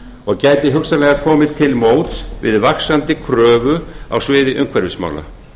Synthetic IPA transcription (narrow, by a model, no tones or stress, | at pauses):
ɔɣcaːjt̪ɪɦʏksalɛɣakʰɔːmɪt̪ʰɪlmoːwt̪svɪ̰ðvaksant̪ɪkʰɾœːvʏa̰wsvɪːðɪʔʏŋkʰvɛɾvɪsma̰ːwla̰